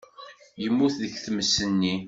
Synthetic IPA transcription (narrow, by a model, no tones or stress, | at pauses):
jəmːuθðəçθəməsːənːi